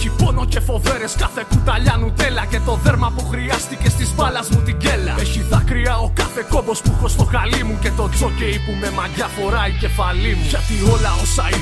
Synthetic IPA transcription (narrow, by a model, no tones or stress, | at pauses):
cipo̞no̞ce̞fo̞ve̞ɾe̞skɐθekut̪ɐʎɐnut̪e̞lɐce̞t̪o̞ðe̞ɾmɐpuxɾiɐst̪icest̪ispalɐzmut̪iɟe̞lɐ̰eçiðɐkɾiao̞kɐfe̞ko̞bo̞spuxost̪o̞xalimuce̞t̪o̞t͡so̞ceipume̞mɐʝɐfo̞ɾɐice̞faliʝɐt̪io̞lɐosai